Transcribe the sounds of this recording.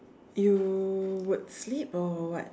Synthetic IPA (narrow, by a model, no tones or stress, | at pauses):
ju | wudslipɔwat